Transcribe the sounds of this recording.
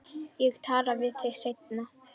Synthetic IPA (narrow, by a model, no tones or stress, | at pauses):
jɛɣt̪ʰaːɾavɪðθeɣsejt̪̚na